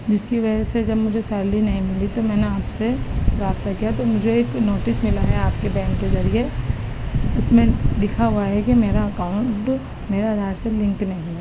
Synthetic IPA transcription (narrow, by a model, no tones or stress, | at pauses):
d͡ʒɪskiʋɐd͡ʒɛsed͡ʒɐbmʊd͡ʒʱesɛːɾlinɐɦĩmɪlit̪omɛ̃ːneaːpseɾaːbt̪akijat̪omʊd͡ʒʱeeːknoːʈɪsmɪlaɦɛaːpkebɛ̃ːŋkezɐɾie | ʊsmẽd̪ɪkʰaɦʊaɦɛkimeːɾaɐkaːʊ̃ɳʈ | meːɾad̪ʱaːɾselɪ̃ŋknɐɦĩ